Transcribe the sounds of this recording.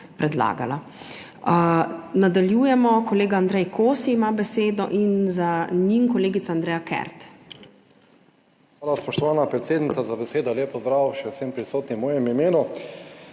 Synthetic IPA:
pɾɛd̪la̰ːɡa̰la | nad̪aljuːjɛmɔkɔleːɡaand̪ɾɛjkʰoːsiːmabɛseːd̪ɔʔinzaɲiŋkɔleːɡit̪aand̪ɾɛjakɛ̰ɾt̪ | xʋaːlaspɔʃt̪ɔʋaːnapɾɛt̪seːd̪nit̪sazabɛseːd̪ɔleːpɔzd̪ɾaːwʃɛwsempɾisoːt̪nimɔːjɛmimeːnu

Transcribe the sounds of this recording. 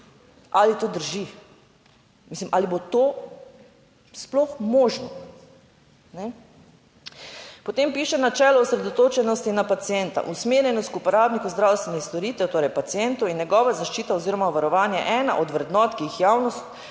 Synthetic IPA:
ʔalit̪oːd̪əɾʒi | miːslimʔaːlibot̪o | splɔxmoːʒnɔ | nɛ | pɔt̪empiːʃɛnat͡ʃɛːlɔɔsɾɛd̪ɔt̪oːt͡ʃɛnɔst̪inapat̪sijɛnt̪a̰ʔusmeːɾjɛnɔst̪̚kupɔɾaːbnikuzd̪ɾaːwst̪ʋɛnɛxst̪ɔɾiːt̪ɛwt̪oːɾɛjpat̪sijɛnt̪ɔinjɛɡɔːʋazaʃt͡ʃiːt̪aoziːɾɔmaʋaɾɔʋaːnja̰ʔɛːna̰ʔɔd̪ʋɾɛd̪nɔːt̪kiixjaːwnɔst̪

